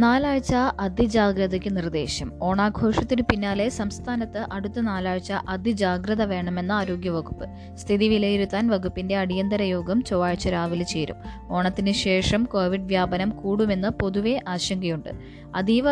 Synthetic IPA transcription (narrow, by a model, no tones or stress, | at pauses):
naːlaːɻt͡ɕːɐɐd̪ʱid͡ʑaːɡɾɐðɐkʲːɨnird̪ḛːɕɐmo̞ːɳaːɡʱo̞ːʂɐt̪ːinɨpinːaːle̞sɐmst̪ʰaːnɐt̪ːɨʔɐɽut̪ːɐnaːlaːɻt͡ɕːɐʔɐd̪id͡ʑaːɡɾɐðɐʋe̞ːɳɐme̞nːɨaːɾo̞ːɡjɐʋɐɡupːɨ | st̪ʰiðiʋilejiɾut̪ːaːnʋɐɡupːinde̞ɐɽijɐnd̪ɐɾɐjo̞ːɡɐmt͡ɕoʋaːɻt͡ɕːɐɾaːʋilt͡ɕeːɾṵm | o̞ːɳɐt̪ːinɨɕe̞ːʂɐmko̞ːʋiɖʋjaːbɐnɐmkuːɽume̞nːɨpo̞ðuʋe̞ʔaːɕɐŋɡɐjuɳɖɨ̰ | ɐd̪iʋɐ